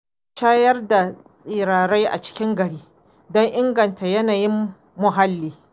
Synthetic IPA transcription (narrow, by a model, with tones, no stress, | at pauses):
ʃaː˦jɐ˦rda˨sʼiː˨ɾaː˨ɽa˦jʔa̰˨t͡ʃɪ̥˦kʲɪ˦ŋɡɐ˨ɽiː˦ | dɔ˦ŋʔɪ˦ŋɡɐ˨nta˨jɐ˦naː˨jɪ˦mː | ʊ˨ɦa˦lːiː˨